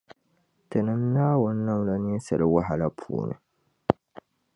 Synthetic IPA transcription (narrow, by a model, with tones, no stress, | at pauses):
tɨ˨nɨ˨m˦naː˦wʊ˦nː˦a˦mla˦ni˦n˦sɨ˨lɨ˦wa˦ɦa˨la˦pʰṵː˨nɨ̰˨